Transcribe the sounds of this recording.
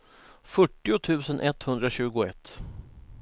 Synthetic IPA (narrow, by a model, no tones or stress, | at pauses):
fœʈːɪʊt̪ʰʉ̟ːsənʔɛt̪hɵnd̪ɾaɕʉ̟ːɡʊɛ̰t̪ː